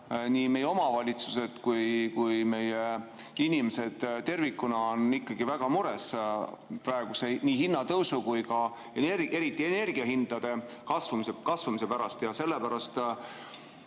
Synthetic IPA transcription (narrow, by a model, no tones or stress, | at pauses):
niːme̞jeo̞mɑvɑlʲit̪suse̞t̪kujkujme̞jeinimese̞d̪̥t̪ːe̞rvikːunɑonikːɑɡ̥ivæɡ̥ɑmuɾe̞s | prɑe̞ɡ̥usenʲiːɦinːɑt̪ɤwsukujkɑ | enere̞ɾit̪ˑːie̞ne̞rɡ̥iɑɦind̪̥ɑd̪̥e̞kɑsvumiskɑsvumisepæɾɑst̪jɑse̞lːepæɾɑst̪